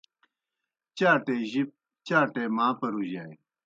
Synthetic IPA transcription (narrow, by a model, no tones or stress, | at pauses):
t͡ɕaːʈeʑip̚ | t͡ɕaːʈeːmaːpɐɾuʑaːj